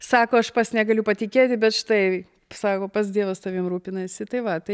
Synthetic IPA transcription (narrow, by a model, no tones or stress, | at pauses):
sɑːkoːɐʃpɐsnʲɛɡɐlʲʊpɐt̪ʲɪkʲeːt̪ʲɪbʲɛt̪ʃɪ̥t̪ɐɪ | sɑːkoːpɐs̬d̪ʲiɛʋɐst̪ɐʋʲiːmɾuːpʲɪnɐsʲɪt̪ɐɪʋɐt̪ɐɪ